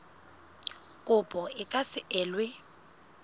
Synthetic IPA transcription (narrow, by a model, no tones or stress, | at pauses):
kʼʊpʼɔɪkʼasɪʔɛːlwɪ